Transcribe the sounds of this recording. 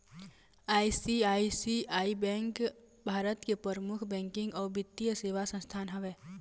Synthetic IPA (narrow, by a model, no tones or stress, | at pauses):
aːjsiaːisiaːibɛ̃ːŋk | bʱaːɾət̪kepəɾəmʊkʰbɛ̃ːŋkɪ̃ŋɡɔːɾbɪt̪ːijəseːʋasə̃nst̪ʰaːnɦɛʋeː